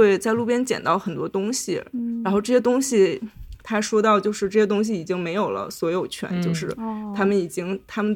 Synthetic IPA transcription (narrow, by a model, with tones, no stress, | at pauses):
e˥˧ɪt͡sa˥˧ɪlu˥˩pjɛ˥nt͡ɕjɛ̰˨˩nt̪ɑ˥˩ʊxə˨˩nt̪wɔ˥t̪ʊ˥ŋɕḭ˨ɻa˧˥nxo˧ʊʈ͡ʂɤ˥˩ɕɛ˥t̪̬ʊ˥ŋɕi˨t̪ʰa˥˩ɪʂwɔ˥t̪ɑ˥˧ʊt͡ɕjo˥˧ʊʂɻ̩˥˧ʈ͡ʂɤ˥˩ɕjɛ˥t̪ʊ˥ŋɕ̬i˨˩i˨˩t͡ɕi˥ŋme˧˥ɪjo˨˩ʊlə̰˦swɔ˧˥jo˨˩ʊt͡ɕʰɥɛ̰˧˥nt͡ɕjo˥˧ʊʂɻ̩˥˩t̪ʰa˥mə˨ni˨˩t͡ɕi˥ŋt̪ʰa˥mə˨n